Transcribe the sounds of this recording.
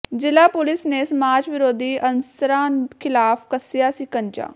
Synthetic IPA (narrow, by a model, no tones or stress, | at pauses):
d͡ʒɪlaːpʊlɪsneːsəmaːt͡ʃʋɪɾoːd̪iːʔənsɾãːnkʰɪlaːfʰkəsɪjaːsiːkənt͡ʃa̰ː